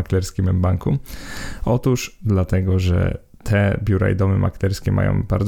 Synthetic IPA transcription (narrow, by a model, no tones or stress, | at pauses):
aklɛɾskʲimɛmbaŋku | ɔt̪uʂd̪lat̪ɛɡɔʐɛ̰ | t̪ʰɛbʲjuɾa̰jd̪ɔmɘmʔa̰klɛɾskʲɛmʔa̰jɔ̰̃w̃ba̰ɾd̪z